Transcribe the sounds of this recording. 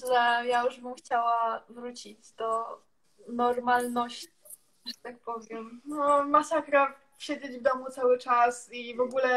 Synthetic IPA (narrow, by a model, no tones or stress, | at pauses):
ʐɛjajuʐbɘmxt͡ɕawavɾut͡ɕid͡ʑd̪ɔ | nɔɾmalnɔɕt͡ɕi | ʐɛt̪ak̚pɔvʲjɛmnɔmasakɾa | ɕed͡ʑed͡ʑvd̪ɔmut̪sawɘt͡ʂasivɔɡulɛ